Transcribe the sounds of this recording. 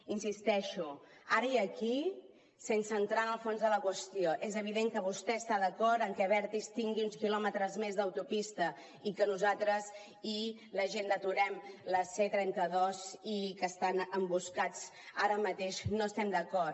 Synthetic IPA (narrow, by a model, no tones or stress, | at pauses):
insist̪ɛʃu | aɾəiəki | sensənt̪ɾanəlˠfonzðələkwəst̪ijoʔezəβ̞iðeŋkəβ̞ust̪ɛəst̪aðəkɔɾɾəŋkɛβɛɾt̪ist̪iŋɡiunskilɔmət̪ɾəzmezðəwt̪upist̪ə | ikənuzalt̪ɾəz | i | ləʒend̪ət̪uɾɛmləsɛt̪ɾɛnt̪əðɔzikəst̪anəmbuskad͡z | aɾəmət̪eʃnoəst̪ɛmd̪əkɔr